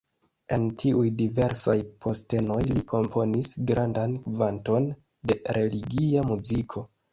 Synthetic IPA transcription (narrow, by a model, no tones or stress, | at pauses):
e̞ntʰiʔujdive̞ɾsajpʰo̞ste̞no̞jlikʰo̞mpʰo̞nisɡɾandankvanto̞n | de̞ɾe̞liɡiamuzikʰo̞